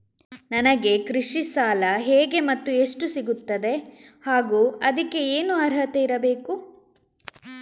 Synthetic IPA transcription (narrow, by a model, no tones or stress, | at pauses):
nɐnɐɡe̞kɾiʂisaːlɐɦeːɡe̞mɐt̪ːueʂʈusiɡut̪ːɐd̪e̞haːɡuːɐd̪ɐkːe̞eːnuɐɾɦɐt̪ɐiɾɐbe̞ːku